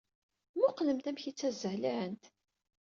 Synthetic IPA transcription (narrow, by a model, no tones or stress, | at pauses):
mʊqləmt̪æmçit͡sːæzəhliʕənt̪